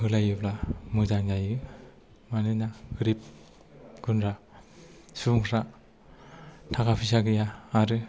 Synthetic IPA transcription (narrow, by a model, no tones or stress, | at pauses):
hɯlajɯblamɯzaŋzajɯ | manɯnaɡɯɾip̚ | ɡɯnɾa | suŋɾa | tʰakapʰisaɡɯjaːɾɯ